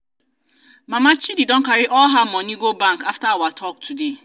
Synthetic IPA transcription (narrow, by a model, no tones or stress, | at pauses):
mamat͡ʃididɔ̃ŋ̩kaɾɪʔɔɦamɔniɡobaŋkaftaawatʰɔk̚tude